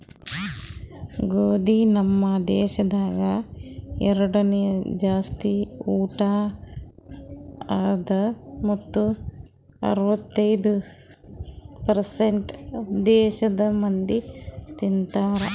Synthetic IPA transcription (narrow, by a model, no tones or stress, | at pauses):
ɡoːd̪inɐmːɐd̪ɛːʃɐd̪aːɡɐ | ɛɾɐɽɐned͡ʒaːst̪iuːʈaː | d̪ɐmɐt̪ːu | ɐ̰ɾuʋɐt̪ːɐjd̪u | pɐɾseɳʈd̪ɛːʃɐd̪ɐmɐnd̪it̪int̪aːɾɐ